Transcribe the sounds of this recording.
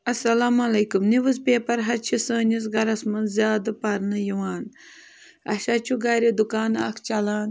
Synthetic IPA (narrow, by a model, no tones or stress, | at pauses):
ɐsɐlaːmɐlɐjkumniʋɨzpʲeːpɐɾɦɐt͡ʃʰisəːnʲis̬ɡɐɾɐsmɐnzʲjaːd̪ɐpɐɾnɨjiwaːn | ɐ̰ʃat͡ʃʰuɡɐɾid̪ukaːna̰kʰt͡ʃɐlaːn